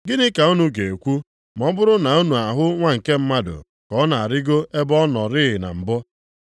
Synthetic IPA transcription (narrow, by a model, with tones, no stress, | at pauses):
ɡɪ˦nɪ˦ka˨u˦nu˦ɡe˨e˨kʷu˦ | m˨ɔ˦bʊ˦ɾʊ˦na˨u˦nu˨a˨ɦʊ˦ŋʷa˦ŋ̩˨ke˦m̩˦ma˦dʊ̰˨ | kɔ˨˦na˨a˨ɾɪ˦ɡo˦e˦bɔ˦nɔ˨ɾɪ˦ɦɪ˨na̰˨m̩˨bɔ˦